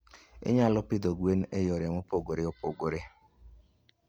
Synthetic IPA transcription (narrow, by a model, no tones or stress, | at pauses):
ɪ̰ɲalɔpɪd̪oɡwenejoɾɛmopoɡoɾeopoɡoɾe